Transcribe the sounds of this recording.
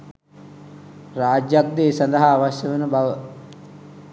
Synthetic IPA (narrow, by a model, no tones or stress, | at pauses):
raːd͡ʒjak̚d̪eːsand̪əɦaːʋasjəʋənəbaʋə